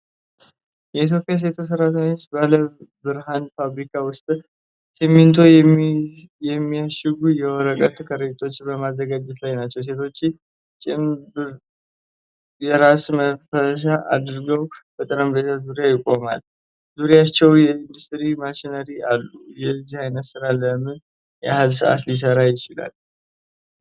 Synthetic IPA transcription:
jɛit̪̬ʰjo̞pʼːijas̬e̞t̪ʰo̞s̬əɾat̪ʰəɲːo̞t͡ʃːbaləbɨɾɦanfaβɾikʰawʊst̪ʼ | simːint̪ʰo̞ | jɛmːijaʃɪɡujɛwɔɾəkʼət̪kʰəɾɨt̪ʰʼo̞t͡ʃːbəmazəɡad͡ʒɛt̪lajnat͡ʃːɛws̬e̞t̪ʰo̞t͡ʃː | t͡ʃʼɪmb | jɛɾasməfəʃaʔad̪ɾɡəwb̥ət̪ʼɨɾəmbe̞t̪ʰazuɾjajɪkʼːo̞ma̰l | zuɾjat͡ʃːɛwjɛind̪ust̪ʼɾimaʃinəɾiʔalːujɛzːihajnət̪sɨɾalːəmɨn | jɛahalsɨʔa̰t̪lis̬əɾajɪt͡ʃɪla̰l

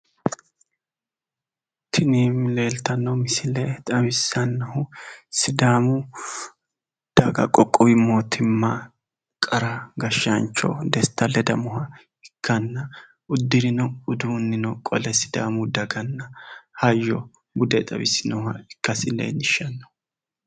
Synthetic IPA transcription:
t̪ʰɪniːmle̞ːlt̪ɐnːɔmɪsɪlɛt̪ʼɐbɪsːɐnːɐhʊsɪd̪aːmʊ | d̪̥ɐɡɐ̰kʼːɔkʼːɔwɪmːot̪ʰɪmːa | kʼɐɾɐɡɐʃːɐnt͡ʃːɔ̰d̪ɛst̪ːɐlɛd̪ɐmɔɦɐ | ɪkʰːɐnːɐ | ʊd̪ːɪɾɪnɔʊd̪uːnːɪnɔkʼɔlɛsɪ̥d̪a̰ːmʊd̪ɐɡɐnːɐhɐjːɔ | bʊd̪ɛt̪ʼɐbɪsːɪnɐhhɐɪkːɐsɪlɛ̰jnɪʃɐnːɔ̥

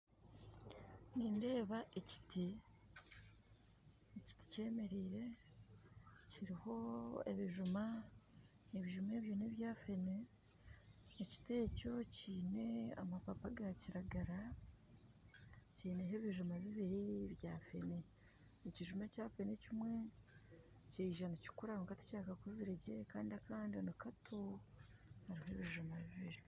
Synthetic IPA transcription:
niːnde̞ːβaʔeci̥ti | eci̥ti̥ce̞ːme̞ɾiːɾe̞ | ciɾiho̞e̞̰βiʒuma | neβiʒume̞ːβjoneβjaːfe̞ne | eci̥te̞ːco̞ciːne̞a̰mapapaɡaciɾaɡaɾa | ceːneɦeβiʒumaβiβiɾiβjafe̞̰ne | niciʒumacaːfenecimwe̞ | ceiʒanaci̥kuɾaŋukatu̥caːkakuziɾeɟekaːndiakaːndionakatʰu | haɾiɦoeβiʒumaβiβiɾi

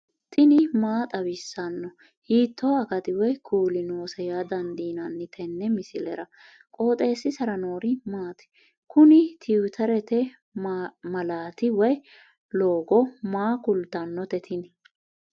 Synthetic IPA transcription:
t̪ʰɪnɪmaːt̪ʼɐbɪsːɐnːɔ | hiːt̪ːoɐkɐt̪ɪwɔjkʰuːlɪno̞ːsɐjaːd̪ɐnd̪iːnɐnːɪt̪ʰɛnːɛmɪsɪlɛ̰ɾɐ | kʼo̞ːt̪ʼe̞ːsːɪsɐɾɐno̞ːɾɪmaːt̪ɛ̥ | kʊnɪt̪ʰiwt̪ʰɐɾɛt̪ɛ | mɐlaːt̪ɪwɔj | loːɡɔmaːkʊlt̪ɐnːɔt̪ɛt̪ʰɪn

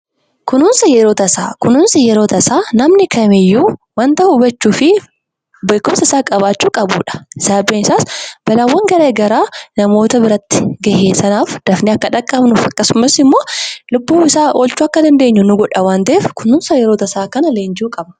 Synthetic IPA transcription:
kʊnuːnsɐjɛɾoːt̪ɐsa̰ːkʊnuːnsɐjɛɾoːt̪ɐsaːnɐmnɪkɐmɪjːuːwɐnt̪ɐhʊbɐt͡ʃːuːfɪ | bɐːkʊmsɐɪsaːkʼɐbaːt͡ʃːuːkʼɐbṵːᶑɐ̥ɪsaːbeːnɪsaːsb̥ɐlaːwːɐŋɡɐɾeːɡɐɾaːnɐmo̞ːt̪ɐbɪɾɐt̪ːɪ̥ɡɐheːsɐnaːfd̪̥ɐfnɪɐkːɐᶑɐkʼːɐbnuːfɐkːɐsʊmːɐsɪmːoːlʊbːuːɪsaːʔoːlt͡ʃːuːɐkːɐd̪ɐnd̪eːɲːʊnʊɡɔᶑɐwaːnt̪ɐʔeːfkʊnuːnsɐjɛɾoːt̪ɐsaːkɐnɐleːnd͡ʒuːkʼɐbɐ

